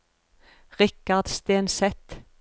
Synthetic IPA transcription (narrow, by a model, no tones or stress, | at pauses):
ʁɪkɑd̪̥st̪eːnsɛt̪